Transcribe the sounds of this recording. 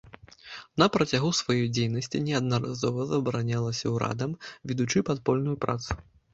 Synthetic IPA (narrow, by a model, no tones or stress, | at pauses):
nɐpɾɐt͡sʲaɣusvajɔjd͡zʲejnɐsʲt͡sʲinʲɛɐd̪̚nɐɾa̰zɔvɐzɐbɾanʲalˠɐsʲɐwɾa̰d̪ɐmvʲɛd̪ut͡ʂɨpat̪pɔlʲnujupɾa̰t̪su̥